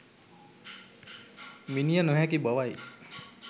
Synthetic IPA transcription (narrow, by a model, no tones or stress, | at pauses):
minijənoɦɛkibəʋaj